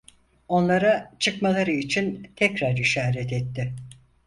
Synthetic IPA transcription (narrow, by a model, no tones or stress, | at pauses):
o̞nlˠaɾat͡ʃʰɯkmalˠaɾɯit͡ʃʰint̪ʰɛcɾaɾiʃaːɾɛt̪ɛt̪ʰːɪ